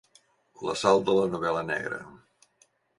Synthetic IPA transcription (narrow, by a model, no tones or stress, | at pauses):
ləsalˠd̪ələnuβɛlənɛ̰ɣɾə̰